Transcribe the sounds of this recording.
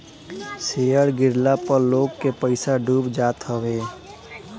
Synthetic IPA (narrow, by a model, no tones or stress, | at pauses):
sejəɽɡɪɾlapəɾloːɡ̚kepəɪsaɖuːbd͡ʒaːt̪ɦəweː